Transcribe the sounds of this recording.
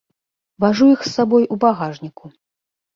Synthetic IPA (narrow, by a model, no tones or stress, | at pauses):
vaʐujixsːabɔjubaɣaʐnʲiku